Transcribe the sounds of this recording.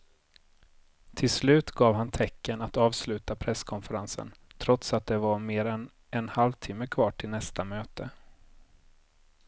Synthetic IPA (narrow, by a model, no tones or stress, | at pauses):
t̪ʰɪlslʉ̟ːt̪ɡɑːvhant̪ʰɛkːənat̪ɑːvslʉ̟ːt̪apʰɾɛskʰɔnfəɾansə̰nt̪ʰɾɔt̪sat̪̚d̪ɛvaɾmeːɾɛn | ɛnhalvt̪ʰɪmːəkʰvɑːʈʰɪlnɛst̪amøːt̪ə